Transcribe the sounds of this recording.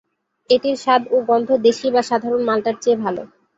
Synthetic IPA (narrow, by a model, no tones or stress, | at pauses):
eʈiɾʃad̪obɔnd̪ʱod̪eʃibaʃad̪ʱaɾonmalʈaɾt͡ɕebʱalo̰